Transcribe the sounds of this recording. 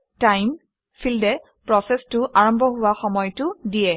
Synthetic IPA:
tajm | fʰildɛ | pɹɔsɛstʊʔaɹɔmbʱɔɦʊwaxɔmɔjtʊdijɛ

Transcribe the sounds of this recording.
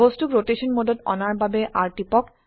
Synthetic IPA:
ostukɹoteʃɔnmodɔtɔ̰naɹbabeʔaɹʈipɔk

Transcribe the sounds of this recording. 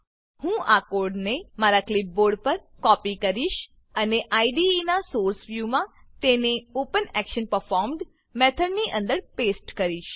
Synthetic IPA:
hũʔakoɾɖnemaɾaklip̚boɾɖpəɾkɔpikəɾiʃ | əneʔaiɖinasoɾsʋjumãt̪eneopənɛkʃənpəɾfɔɾmɖ | mɛt̪ʰəɖniʔə̃nd̪əɾpesʈkəɾiʃ

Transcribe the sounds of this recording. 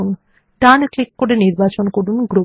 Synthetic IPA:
un | ʈanklikːoɽeniɾbat͡ɕonkoɽunɡɾu

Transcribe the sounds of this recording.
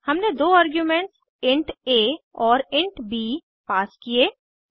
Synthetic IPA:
hɐmned̪oːaːɾɡjumẽɳʈs | ɪ̃ɳʈeːɔːɾɪ̃ɳʈbiː | paːskieː

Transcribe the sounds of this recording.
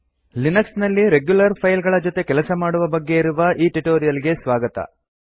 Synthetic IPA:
linɐksnɐlːiɾeɡjulɐɾpʰɐjlɡɐɭɐd͡ʒo̞t̪e̞kɛlɐsɐmaːɽuʋɐbɐɡːe̞iɾuʋɐʔiːʈuʈoːɾijɐliɡe̞sʋaːɡɐt̪ɐ̰

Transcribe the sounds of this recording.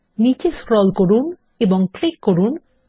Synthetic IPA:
nit͡ɕeskɾɔlkoɾun | eboŋklikːoɾun

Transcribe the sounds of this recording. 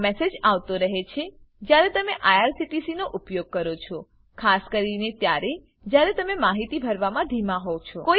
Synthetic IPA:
mɛsed͡ʒaʋt̪oɾəɦet͡ʃʰe | d͡ʒjaɾet̪əmeʔajaɾsiʈisinoʔupjoɡ̚kəɾot͡ʃʰo | kʰaskəɾinet̪jaɾe | d͡ʒjaɾet̪əmemaɦit̪ibʱəɾʋamãd̪ʱimãɦot͡ʃʰɔko

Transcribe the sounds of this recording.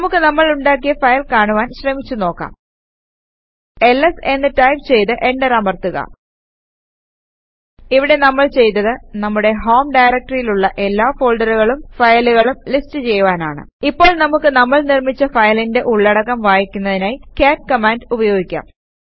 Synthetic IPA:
ɐmukːɨnɐmːɐɭuɳɖaːk̬ːijɐfɐjɐlkaːɳuʋaːnɕrɐmit͡ɕːuno̞ːkːa̰m | e̞lːese̞nːɨtɐjmt͡ɕe̞jt̪ɨʔe̞ɳɖɐɾamɐrt̪uɣɐ̰ | iʋiɽe̞nɐmːɐɭt͡ɕe̞jt̪ːɐðɨnɐmːuɽe̞ɦo̞ːmɖɐjɾɐk̚ʈɐrijiluɭːɐʔe̞lːaːfo̞ːɭɖɐɾuɣɐɭumfɐjɐluɣɐɭumlistɨt͡ɕe̞jːuʋaːnaːɳɨ̰ipːo̞ːɭnɐmukːɨnɐmːɐɭnirmit͡ɕːɐfɐjɐlinde̞ʔuɭːɐɽɐkːɐmʋaːjikʲːunːɐðinaːjkeːʈ̚kɐmaːndubɐjo̞ːɡikʲːa̰m

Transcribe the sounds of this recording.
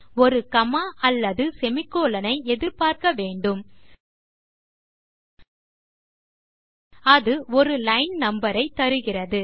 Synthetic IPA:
ɔɾɯkɐmaːʔɐlːɐðɯsɛmɪkːoːlɐnɐɪɛðɪɾpaːɾkɐʋeːɳɖɯm | ɐðɯɔɾɯlɐɪnnɐmbɐɾɐɪt̪ːɐɾɯɣɪrɐðɯ

